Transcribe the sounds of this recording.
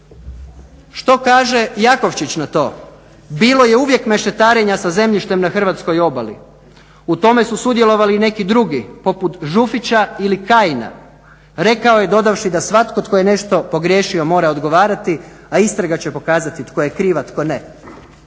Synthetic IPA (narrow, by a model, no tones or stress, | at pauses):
ʃt̪o̞kaːʒe̞jako̞ʋt͡ɕit͡ɕnat̪o̞̰ː | biːlo̞je̞uʋje̞kme̞ʃt̪et̪aːɾe̞ɲasaze̞mʎiʃt̪e̞mnaxr̩ʋat̪sko̞jo̞balḭ | ut̪o̞me̞susud̪je̞lˠo̞ʋaline̞kid̪ɾuɡipo̞put̪ʒufit͡ɕailikaːjina̰ | ɾe̞kao̞je̞d̪o̞d̪aʋʃid̪asʋat̪ko̞t̪kojene̞ʃt̪o̞po̞ɡɾje̞ʃio̞mo̞ːɾao̞d̪ɡo̞ʋaːɾat̪i | aist̪ɾaɡat͡ɕepo̞kaːzat̪it̪kojekɾiːʋat̪ko̞ne